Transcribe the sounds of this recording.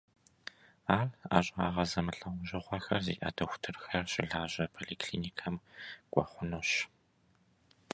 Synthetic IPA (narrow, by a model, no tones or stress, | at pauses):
aːɮa̰ːɕʼa̰ːʁɐzɐmɨɬʼɐwʷʊʒɪʁʷɐxɐrzḭːʔɐ̰tʰɐxʷtʰɨrxɐrɕʼɪɮaːʑɐpʰoɮiːkʰɬḭːniːkʰɐmɡ̥ʷɔ̰χʷʊnoɕ